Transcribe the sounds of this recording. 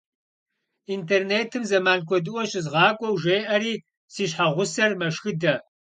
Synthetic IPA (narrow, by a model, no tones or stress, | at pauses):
intʰeːrneːtʰɨmzɐmaːnkʷʰɔdɨwɔɕɪzʁɑːkʷʼɔwʒeːʔɐɾiː | siːɕħaʁʷʊsɐrmɐʃxɨdɐ